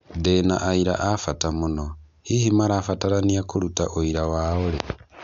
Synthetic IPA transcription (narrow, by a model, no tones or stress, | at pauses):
dena̰ʔaiɾa̰ʔafatamuno | hihimaɾafataɾaniakuɾutaʔoiɾawaoɾe